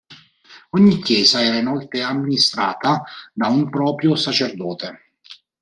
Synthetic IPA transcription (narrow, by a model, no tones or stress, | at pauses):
ɔɲːikːjɛːzaɛːɾainɔlt̪eamːinist̪ɾa̰ːt̪ad̪aumpɾɔːpɾjosat͡ʃerd̪ɔːt̪e